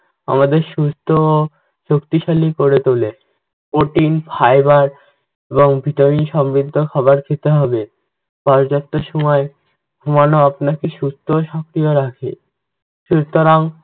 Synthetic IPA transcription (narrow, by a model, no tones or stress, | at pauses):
a̰mad̪eɾʃust̪ʰoo | ʃokt̪iʃalikoɾet̪ole | poʈinfʰajbaɾ | eboŋbʱiʈaminʃɔmɾid̪ʱːokʰɔβaɾkʰet̪eɦɔbe | pɔɾd͡ʑap̚t̪oʃɔmɔe | bʱumanoapnakeʃust̪ʰooʃɔkɾioɾakʰḛ | ʃut̪oɾaŋ